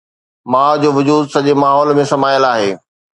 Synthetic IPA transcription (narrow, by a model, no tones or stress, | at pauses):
mãːd͡ʑoːʋʊd͡ʑuːd̪sɐʄemaːɦɔːlmẽsɐmaːjəlaːɦeː